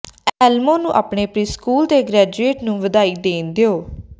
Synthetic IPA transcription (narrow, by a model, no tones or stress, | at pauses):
ɛːlmõːnũːʔa̰ːpɳeːpɾiːskuːlt̪eːɡɾɛːd͡ʒueːʈnũːʋəd̪aːiːd̪eːnd̪ejoː